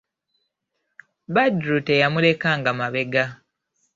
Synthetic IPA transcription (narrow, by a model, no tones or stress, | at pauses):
badɾutejamule̞kaːŋɡamaβe̞ɡa